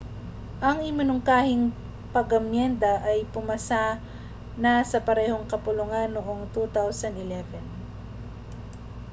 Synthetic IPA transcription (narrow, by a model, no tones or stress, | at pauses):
ʔɐŋʔɪmɪnʊŋkaːhɪŋ | pɐɡɐmjɛnd̪ɐʔɐjpʊmɐsa | nasɐpɐɾɛːhoŋkɐpʊlʊŋanːoʔoŋt̪ut̪awsɐnd̪ɪlɛvɛn